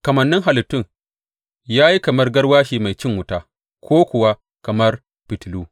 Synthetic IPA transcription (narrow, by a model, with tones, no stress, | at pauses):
kɐ˨mɐ˨nːɪ˦ŋɦa˨lɪ˨tːʊ˦˨ŋ | jaː˦ji˦kɐ˨mɐ˦rɡɐ˦rwaː˦ʃiː˨ma˨jt͡ʃɪ˦ŋwʊ˦taː˦ | kʰʷoː˦kʷʊ˨wa˦ | kɐ˨mɐ˦r | pɪ˨tluː˦